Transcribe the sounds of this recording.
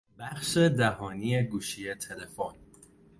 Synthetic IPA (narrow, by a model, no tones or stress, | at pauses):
bæxʃe̞d̪æɦɒːniːeɡuːʃije̞t̪ʰele̞fon